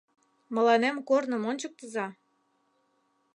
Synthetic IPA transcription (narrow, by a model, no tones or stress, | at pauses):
mə̆lɑnemkornə̆monʲt͡ɕək̚t̪əzɑ